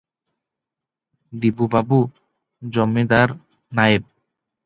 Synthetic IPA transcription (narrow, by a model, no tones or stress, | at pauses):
d̪ibubabu | d͡ʑɔmːid̪aɾ | naeb̚